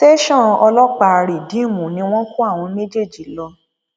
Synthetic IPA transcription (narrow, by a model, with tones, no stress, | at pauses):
te˦ʃɔ̃˦˨ɔ˧lɔ˦k͡pa˦˧ɾi˨dĩ˨˦˨mũ˨nĩ˧˦w̃ɔ̃˦ku˦a˦˨w̃ɔ̃˧me˦d͡ʒe˦˨d͡ʒi˨lɔ˧